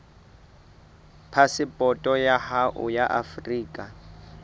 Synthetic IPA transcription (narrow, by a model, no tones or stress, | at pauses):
pʰasɪpʼɔtʼɔjahaʔʊ̰jaʔafriːkʼa